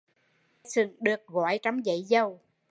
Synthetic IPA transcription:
jsɨ˧˩ŋɗɨ˨˩ək̚ɣɔ̰˧˩˦jt͡ɕa˨˦mŋ͡mzə̰˧˨˦jzə˨˧˩w

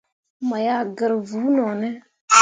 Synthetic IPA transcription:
ma˨ja˦˨ɡə˨ɾvu˨˦nɔ˨nɛ˦

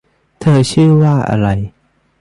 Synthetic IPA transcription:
t̪ʰəː˧˩t͡ɕʰɯː˥˨waː˥˩ʔa̰˧˩ɾa˧j

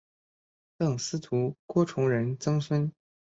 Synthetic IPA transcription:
t̪ɤ˥˩ŋsɹ̩˥t̪ʰu˧˥kwɔ˥ʈ͡ʂʰʊ˧˥ŋɻə˧˥nt͡sɤ˥ŋswə˥n

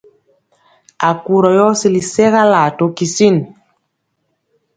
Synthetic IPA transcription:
a˨ku˨ɾɔ˨jɔ˦si˦˨li˨sɛ˦ɣa˦la˨to˨˦ki˨si˦˨n

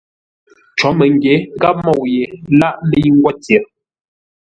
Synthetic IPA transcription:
t͡ʃɔ˨˦mə˨ŋ˨ɡje˨˦ɡa˦p̚mɔ˦˨wje˨la˦ʔlə˦jŋ̩˦ɡwa˦tje˨˦ɾ

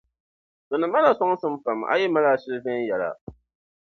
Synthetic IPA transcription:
d̥ɔ˨nɨ˨ma˦la˨sɔ˦ŋ˦sɨ˦m˦fa˨m˨a̰˦jɛ˦ma˦la˦ʃɪ˦ɾɨ˦vɛ˦n˦jɛ˨la̰˨

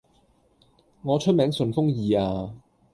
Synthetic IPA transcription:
ŋɔː˨˧t͡ʃʰɵ˥t̚mɛː˨˧˥ŋsɵ˨nfʊ˥ŋjiː˨˩aː˧

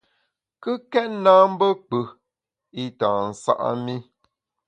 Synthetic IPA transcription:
kɨ˦kɛ˦tnaː˦m̩˦bə˦k͡pə˨ | i˦taː˨n̩˨sa̰˦ʔa̰˦mi˦

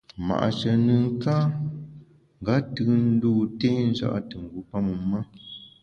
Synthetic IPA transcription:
ma̰˨ʔa̰˨t͡ʃə˨nɨ˨ŋ˦ka˦ | ŋ̩˨ɡa˨˦tɨ˦n̩˦duː˦te˦n̩˦za̰˦ʔa̰˦tɨ˨ŋ̩˨ɡu˨˦pa˦mu˨ma˦

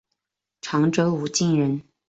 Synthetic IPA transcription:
ʈ͡ʂʰɑ˧˥ŋʈ͡ʂɤ˧˥u˨˩t͡ɕi˥˩nɻə˧˥n

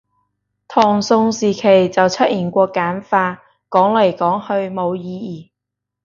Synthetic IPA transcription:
t̪ʰɔː˨˩ŋsʊ˧ŋsiː˨˩kʰe˨˩jt͡sɐ˨wt͡sʰɐ˥t̚ʔiː˨˩nkʷɔː˧kːaː˨˥nfaː˧ | kɔː˨˥ŋlɐ˨˩jkɔː˨˥ŋhɵ˧ɥmo˨˧wjiː˧jiː˨˩

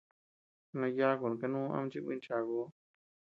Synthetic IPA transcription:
nã˧ja˦ko˨nã˨ka˧nũː˦ã̰˦m̃˦t͡ʃi˦˧kʷḭ̃˦t͡ʃa˨ko˧˦

